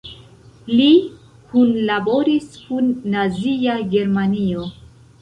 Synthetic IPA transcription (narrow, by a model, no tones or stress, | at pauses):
li | kunlabo̞ɾiskunːaziaɡe̞ɾmanio̞